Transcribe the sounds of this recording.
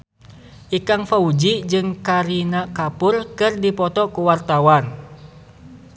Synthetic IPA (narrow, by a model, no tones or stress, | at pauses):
ʔikaŋfaud͡ʒid͡ʒɨŋkaɾinakapʊrkɨrdipɔt̪ɔkuwart̪awan